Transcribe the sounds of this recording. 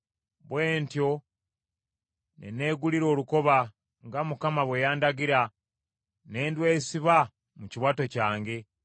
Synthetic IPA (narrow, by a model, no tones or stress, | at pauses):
βwe̞ːntjo̞ | nḛne̞ːɡuliɾo̞ːluko̞βa | ŋɡamukamaβwe̞jaːndaɡiɾa | ne̞ːndwe̞ːsiβa | muciβwato̞caːŋɡe̞